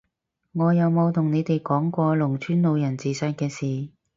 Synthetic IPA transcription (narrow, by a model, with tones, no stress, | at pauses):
ŋɔː˨˧jɐ˨˧wmo˨˧wt̪ʰʊ˨˩ŋne˨˧jt̪e˨jkɔː˨˥ŋkʷɔː˧lʊ˨˩ŋt͡ʃʰyː˥nlo˨˧wjɐ˨˩nt͡siː˨sɐː˧nkɛː˧siː˨